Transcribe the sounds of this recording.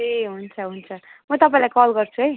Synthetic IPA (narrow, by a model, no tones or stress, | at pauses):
eɦunt͡sʰʌɦunt͡sʰʌmʌt̪ʌpaĩlajkɔlɡʌrt͡sʰuəj